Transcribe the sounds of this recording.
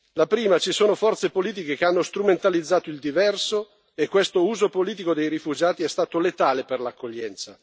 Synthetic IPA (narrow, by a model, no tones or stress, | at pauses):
lapɾiːmat͡ʃisoːnofɔrt̪sepoliːt̪̬ikekeanːost̪ɾument̪alid̪zːaːt̪oild̪ivɛrso | ekːwest̪ouːzopoliːt̪̬ikod̪ejɾifud͡ʒaːt̪iɛst̪aːt̪olet̪aːleperlakːoʎːɛnt̪sa̰